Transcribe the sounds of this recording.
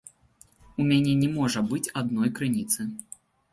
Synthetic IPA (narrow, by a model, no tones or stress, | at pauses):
umʲanʲɛnʲɛmɔʐɐbɨt͡sʲad̪nɔjkɾɨnʲit̪sɨ